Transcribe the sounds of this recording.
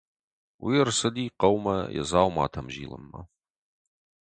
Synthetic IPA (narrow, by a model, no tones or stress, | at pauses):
wʔijɛrsɐd̪iːqɐwmɐjɛ̰zaːwma̰ːt̪ʰɐmʒḭːlɨ̰mːɐ